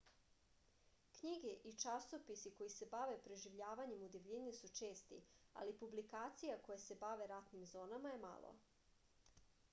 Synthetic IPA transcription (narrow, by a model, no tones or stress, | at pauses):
kɲiɡe̞ʔit͡ʂasopisiko̞jise̞baʋe̞pɾe̞ʒiʋʎaːʋaɲe̞mud̪eʋʎeɲesut͡ʃeːst̪ḭa̰lipublikaːt̪sijako̞jase̞baʋe̞ɾat̪nimzo̞ːnamaje̞ma̰lˠo̰